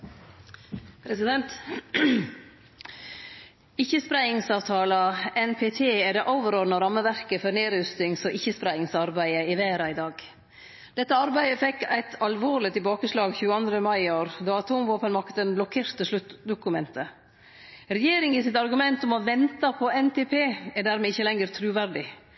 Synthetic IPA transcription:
pʰɾɛsɪd̪ɛnt̪ | ɪçəspɾæɪɪŋsɑːʋt̪ʰɑːlɑɛnpʰet̪ʰeːɛɖ̪ɛʔoːʋəɾɔɾnəɾɑmːəʋæɾkəfɔɾneːɾʉst̪ɪŋsɔʔɪçəspɾæɪɪŋsɑɾbæɪəɪʋæːɾɑɪd̪ɑːɡ | d̪̥ɛt̪ːəɑɾbæɪəfɛkːæɪt̪ʰɑlʋoːɾlɪt̪ɪlbɑːkəslɑːɡçʉːəɑnd̪ɾəmɑɪoːɾd̪ɑːɑt̪ʰuːmʋoːpənmɑkt̪d̪ɛnblɔkʰeːɾt̪əʂlʉt̪d̪ʊkʉmɛnt̪ʰə | ɾɛjeːɾɪŋɪsɪt̪ɑɾɡʉmɛnt̪ɔmɔʋɛnt̪ɑpʰɔɛnt̪eːpʰeːɛɾɖ̪æːɾmɛɪçəlɛŋəɾt̪ʰɾʉːʋæɾɖɪ

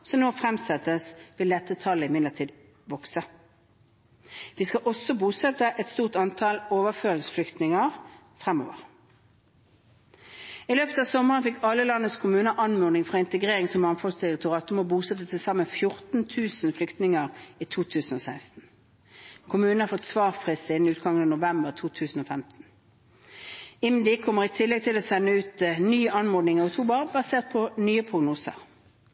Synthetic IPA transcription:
sɔnoːfʁɛmsɛt̪ːəsʋɪld̪ɛt̪ːət̪ʰɑlːəɪmɪd̪ləʁt̪ʰiːd̪ | ʋɔksə | ʋiːskɑʔɔsɔbuːsɛt̪əʔɛt̪st̪uːʁt̪ɑnt̪ʰɑloːʋəføːʁɪŋsflʏkt̪nɪŋəʁ | fʁɛmo̰ːʋəʁ | ɪløːpət̪ɑːʋsɔməʁənfɪkʰːɑlːəlɑnːəskʰʊmʉːnəʔɑnmʉːnɪŋfʁɑːɪnt̪əɡʁeːʁɪŋsɔmːɑnfɔlst̪ɪʁɪk̚t̪ʊʁɑːt̪ʊmɔbuːsɛt̪ːət̪ʰɪlsɑməfjʊʁt̪n̩t̪ʰʉːsn̩flʏkt̪nɪŋəʁiːt̪ʰuːt̪ʰʉːsn̩oːsæɪst̪n̩ | kʰʊmʉːnn̩hɑfɔt̪sʋɑːʁfʁɪst̪əɪnnʉːt̪̚ɡɑŋənɑnʊʋɛmbəʁt̪ʰuːt̪ʰʉːsn̩oːfɛmt̪n̩ | ɪmd̪ɪkʰɔməʁɪt̪ʰɪlːɛɡ̚t̪ʰɪloːsɛnːəʉːt̪nyːɑnmɔːd̪nɪŋɑʊt̪ʰuːbəʁbɑseːʁt̪̚pʰɔnyːəpʰʁʊɡnuːsə̰ʁ

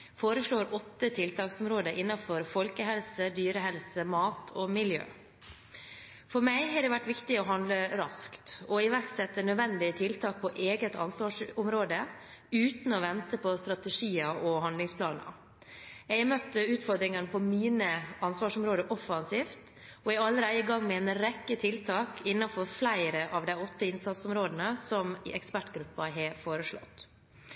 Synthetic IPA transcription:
foːɾəʂɭoːɾɔt̪ːət̪ʰɪlt̪ʰɑːksɔmɾoːd̪əʔɪnːɑfɔɾfɔlkəɦɛlsəd̪yːɾəɦɛlsəmɑːt̪ʰɔmɪljø̰ː | fɔɾmæɪɦɑɖɛʋæʈːʋɪkt̪ɪɔɦɑnd̪ləɾɑskt̪ɔɪʋæɾksɛt̪ːənœd̪ʋɛnd̪ɪət̪ʰɪlt̪ʰɑːk̚pʰɔʔeːɡət̪ɑnsʋɑːʂɔmɾoːd̪əʉːt̪n̩ɔʋɛnt̪əpʰɔst̪ɾɑt̪ɛʂiːɑʔɔɦɑnlɪŋspʰlɑːnə̰ | ɛɪɡmœt̪ːəʉːt̪fɔɾd̪ɾɪŋɑnəpʰɔmiːnəɑnsʋɑːʂɔmɾoːd̪əʔɔfɑnsiːft̪ | ɔɛɡɑlːəɾæɪəɡɑŋːmɛɛːnɾɛkːət̪ʰɪlt̪ʰɑːkɪnːɑfɔɾflæɪɾəʔɑʋd̪æɪɔt̪ːəɪnsɑt̪sɔmɾoːd̪ənəsɔmɛkspæʈɡɾʉpːɑɦɛfoːɾəʂɭɔ̰t̪ː

